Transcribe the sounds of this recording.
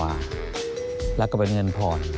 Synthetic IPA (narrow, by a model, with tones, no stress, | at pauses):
aː˧˩ | lɛː˦˥wkɔː˧˥˩pe˧nŋɤ˧npʰɔː˨˩n